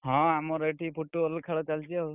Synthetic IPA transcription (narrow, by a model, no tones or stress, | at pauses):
ɦɔ̃amɔɾeʈipʰuʈːuɔlkʰaɽɔt͡ʃalt͡ʃia